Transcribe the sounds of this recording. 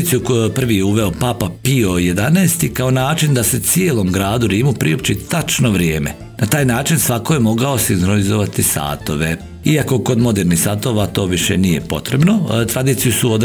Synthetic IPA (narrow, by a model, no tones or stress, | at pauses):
sijupr̩ʋijeuʋe̞o̞papapio̞je̞d̪aneːst̪ikao̞naːt͡ʃind̪ase̞t̪sie̞lo̞mɡɾaːd̪uɾiːmupɾiopt͡ʃit̪at͡ʃnoʋɾjeːme | nat̪aːjnaːt͡ʃinsʋako̞jemo̞ɡaosinxɾonizo̞ʋat̪isa̰ːt̪o̞ʋe̞ | iako̞ko̞d̪mo̞d̪eɾnixsat̪o̞ːʋat̪o̞ːʋiʃe̞nije̞po̞̰t̪ɾe̞bno̞t̪ɾad̪iːt̪sijusuod̪